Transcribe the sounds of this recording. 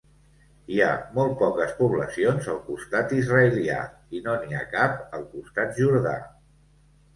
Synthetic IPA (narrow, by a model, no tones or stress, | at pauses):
iamɔlˠt̪̚pɔkəspuβlə̰sionzəlˠkust̪at̪izrəəlia̰ | inonia̰kapəlˠkust̪at̪̚ʒuɾða̰